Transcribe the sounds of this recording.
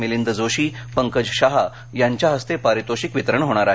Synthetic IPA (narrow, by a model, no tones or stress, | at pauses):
milind̪əd͡zoɕiːpəŋkəd͡ʑɕaɦa | jaɲt͡ɕjaɦəst̪epaɾit̪oɕikʋit̪əɾəɳɦoɽ̃aɾa